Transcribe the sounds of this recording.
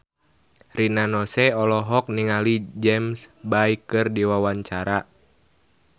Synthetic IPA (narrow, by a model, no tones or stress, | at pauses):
rinanɔsɛɔlɔɦɔk̚niŋalid͡ʒɛmsbaikɨrdiwawaɲt͡ʃaɾa